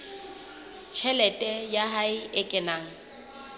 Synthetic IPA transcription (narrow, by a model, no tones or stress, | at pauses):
t͡ʃʰɛlɛtʼɛjaɦaɪɪkʼɪnaːŋ̩